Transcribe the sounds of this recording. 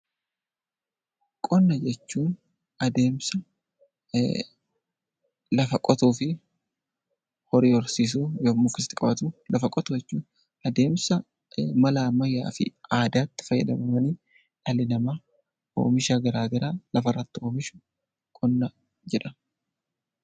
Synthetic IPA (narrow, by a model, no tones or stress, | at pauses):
kʼɔnːɐd͡ʒɛt͡ʃːuːn | ɐd̪e̞ːmsɐ | lɐfɐkʼɔt̪uːfɪ | hɔɾiːɔɾsiːs̬uːjomːʊkːɪst̪ɪkʼɐbɐt̪uːlʔɐfɐkʼɔt̪ʊɛt͡ʃːuːn | ɐd̪e̞ːmsɐ | mɐlaːmɐjːa̰ːfɪ̰aːd̪aːt̪ːɪ̥fɐjːɐ̰d̪ɐ̰mɐmɐniː | ᶑɐlɪnɐmaː | o̰ːmɪʃaːɡɐɾaːɡɐɾaːlɐfɐrːɐt̪ːɪoːmɪʃʊ̥ | kʼɔnːɐ | d͡ʒɛᶑɐ